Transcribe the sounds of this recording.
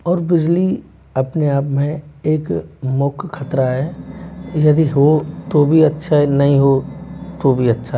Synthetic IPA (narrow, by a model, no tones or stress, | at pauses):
ɔːɾbɪd͡ʒli | ɐpneaːpmẽeːkmʊkʰkʰːɐt̪ɾaɦɛː | jɐd̪iɦot̪obʱiɐtːʃʰaɦɛnɐɦĩɦot̪obʱiɐtːʃʰa